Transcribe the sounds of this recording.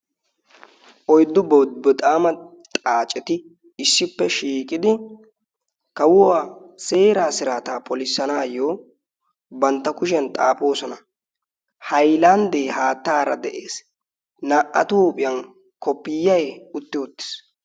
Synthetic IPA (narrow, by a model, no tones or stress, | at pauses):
ʔɔjd̪ːʊbɔwd̪bɔt̪ʼaːmɐt̪ʼaːt͡ʃʼɛt̪ɪ | ɪsːɪpːɛʃiːkʼɪd̪ɪ | kɐwʊwaːse̞ːɾaːsɪɾaːt̪aːpʰɔlɪsːɐnaːjoː | bɐnt̪ːɐkʊʃ̬ɛnt̪ʼa̰ːpo̞ːsɔnɐ | hɐjland̪eːhaːt̪ːaːɾɐ̰d̪ɛʔeːs | naːʔɐ̰t̪uːpʼɪjɐn | kɔpːɪjːɐjʊt̪ːɪʊt̪ːɪ̥s